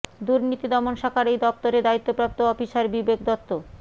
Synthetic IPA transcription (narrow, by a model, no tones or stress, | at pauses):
d̪uɾnit̪id̪ɔmonʃakʰaɾejd̪ɔp̚t̪oɾed̪ait̪ːopɾap̚t̪oɔfiʃaɾbibeɡd̪ɔt̪ːo